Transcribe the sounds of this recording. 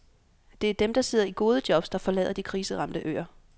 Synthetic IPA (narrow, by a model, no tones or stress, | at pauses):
d̥e̝æɐd̥emd̥ɑ̈se̝ð̞̰ˠɐiɡ̥o̝ːð̞ˠəd̥jɒ̽b̥sd̥ɑ̈fɒ̽lɛ̰ːð̞̰ˠɐd̥ikʰʁiːsəʁɑ̈md̥əʔø̰ːɐ